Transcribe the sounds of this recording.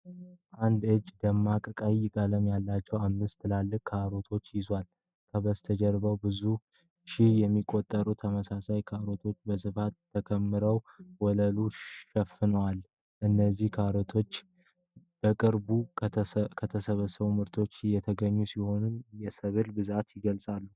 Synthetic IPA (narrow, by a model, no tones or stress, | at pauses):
ʔand̪ɨd͡ʒd̪əmːakʼəkʼajjɪkʼələmjalːat͡ʃːɛwamːɨst̪ʰːɨlalːɨkkʰaɾo̞t̪ʰo̞t͡ʃːjɪzwal | kʰəβəst̪ʰəd͡ʒɛɾbəwbɨzu | ʃɪhjɛmːikʼo̞t̪ʼːəɾut̪ʰəməsasajkʰaɾo̞t̪ʰo̞t͡ʃːbəsɨfat̪ʰːəkʰəmːɨɾəw | wɔləluʃɛfːɨnəwal | ʔɨnːəzːihkʰaɾot̪ʰo̞t͡ʃː | b̥əkʼɨɾbu | kʰət̪ʰəsəβəsəβumɨɾt̪ʰo̞t͡ʃːjɛt̪ʰəɡəɲːusiho̞nɨnjɛsəβɨlbɨzat̪jɪɡəlsʼalːu